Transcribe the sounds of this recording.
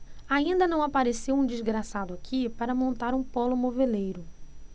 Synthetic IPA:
aĩnd̪ɐnɐ̃w̃apaɾesewũd͡ʒizɡɾasad̪ʊakʰipaɾɐmõnt̪aɾũpɔlʊmovelejɾʊ

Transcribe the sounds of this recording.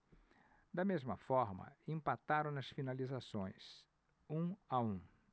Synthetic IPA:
d̪ɐmezmɐfɔɾmɐ̰ẽmpat̪aɾɐ̃w̃nɐsfinalizasõj̃s | ũaũ

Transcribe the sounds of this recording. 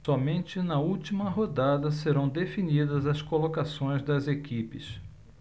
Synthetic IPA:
sɔmẽnt͡ʃɪnɐuwt͡ʃimɐɦod̪ad̪ɐseɾɐ̃w̃d̪efinid̪ɐzɐskolokasõj̃zd̪ɐzekipɪ̰s

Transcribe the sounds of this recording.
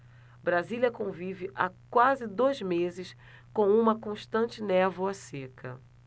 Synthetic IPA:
bɾaziliɐkõvivɪʔakwazɪd̪ojzmezɪs | kõw̃ũmɐkõʃt̪ɐ̃t͡ʃɪnɛvʊasekɐ̰

